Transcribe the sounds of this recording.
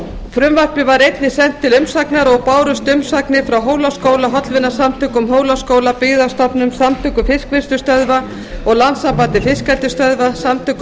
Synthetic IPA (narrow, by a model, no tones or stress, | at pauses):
fɾʏmvar̥pɪvaɾejt̪nɪsɛn̥t̪ʰːɪlʏmsaknaɾɔɣpaːwɾʏst̪ʏmsaknɪfɾawɦoːwlaskoːwlaɦɔt̪lvɪnːḁsamt̪ʰʏːkʏmɦoːwlaskoːwlapɪɣðast̪ɔpnʏmsamt̪ʰʏkʏfɪskvɪst̪ʏst̪œðva | ɔɣlansapaːt̪ɪfɪskɛlt̪ʏst̪œðvasamt̪ʰʏːk